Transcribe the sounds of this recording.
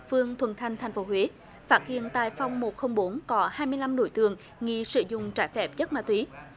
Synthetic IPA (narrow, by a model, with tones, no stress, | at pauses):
fɨ˧əŋt̪ʰwə̰˧˩nt̪ʰa˧˩jŋ̟t̪ʰa˨˩jŋ̟fo˨˦ɦwe˨˦ | faː˦˥t̚hḭ˧˨ənt̪a̰ː˧˨jfa˧wŋ͡mmo˨˩t̚xə˧wŋ͡mɓo˨˦nkɔ˨˦haː˧jmɨ˧əjla˧mɗo˧˩jt̪ɨ̰˧˨əŋ | ŋḭ˧˨sɨ̰˧˨zʊ̰˧˨ŋ͡mt͡ɕaː˧˩jfɛ˦˥p̚zə˦˥t̚maː˧˩t̪wi˨˦